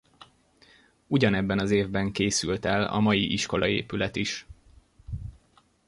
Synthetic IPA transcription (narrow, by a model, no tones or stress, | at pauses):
uɟɒnɛbːɛnɒzeːvbɛŋkeːsylt̪ɛlɒ̰mɒjiʔiʃko̞lɒḛːpylɛt̪iʃ